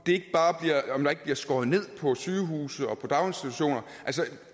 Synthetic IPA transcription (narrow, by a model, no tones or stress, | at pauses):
d̥e̝e̝ɡ̥əb̥ɑ̈ːb̥liɐɒmd̥ɑ̈e̝ɡ̥̚b̥liɐsɡ̥ɒːð̩ˠne̝ð̞̰ˠpʰɒ̽syːɦṵːsð̩ˠɒ̽pʰɒ̽d̥ɑ̈ʊensd̥it͡sʰuɕo̝̰ːnɐ | ʔælsə